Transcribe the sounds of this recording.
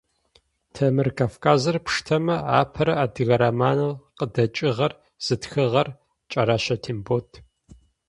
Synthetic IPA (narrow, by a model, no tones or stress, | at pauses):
tʰɐmɨrkʰaːfkʰaːzɐrpʰʂtʰɐmɐa̰ːpʰɐɾɐʔadɨɣɐɾɐmaːnɐlqədɐt͡ʃʼɪʁɐr | z̥ɨtxɨʁɐr | t͡ʃʼɐɾaɕɐtʰimboːtʰ